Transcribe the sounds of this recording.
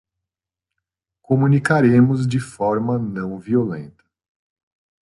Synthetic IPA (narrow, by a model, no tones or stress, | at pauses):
komũnikaɾẽmʊzd͡ʒɪfɔɾmɐnɐ̃w̃violḛ̃nt̪ɐ̥